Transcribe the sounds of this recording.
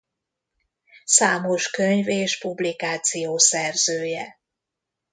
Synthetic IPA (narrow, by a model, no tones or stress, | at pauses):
saːmoʃkøɲveːʃpublikaːt̪sijoːsɛrzøːjɛ